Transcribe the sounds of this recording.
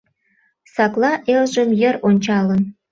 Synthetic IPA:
sɑklɑʔelʒə̆mjə̆ɾonʲt͡ɕɑlən

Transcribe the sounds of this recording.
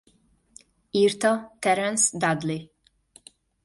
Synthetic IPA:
iːrt̪ɒt̪ɛɾɛnsd̪ad̪li

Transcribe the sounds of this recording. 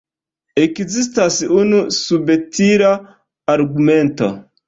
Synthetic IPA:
ekzist̪asunusubetʰiɾa | aɾɡumento̰

